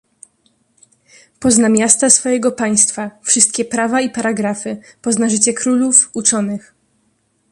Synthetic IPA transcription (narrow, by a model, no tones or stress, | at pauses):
pɔznamʲjast̪asfɔjɛɡɔpaj̃st̪fafʂɘst̪̚kʲɛpɾavaipaɾaɡɾafɘpɔznaʐɘt͡ɕɛkɾulufut͡ʂɔnɘx